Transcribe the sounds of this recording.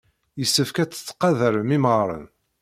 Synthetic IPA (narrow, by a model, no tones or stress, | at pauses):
jəsːəfkæt͡sːə̥t͡sːqɑðəɾəmiməɾˤə̰n